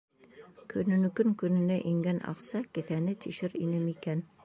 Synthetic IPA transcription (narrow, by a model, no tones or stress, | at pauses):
kʰɵ̆nɵ̆nɵ̆kɵŋkɵ̆nɵ̆næʔiŋɡænʔɑ̰qsɑkɘ̆θænɘt̪iʃɘɾḭnɘmikæn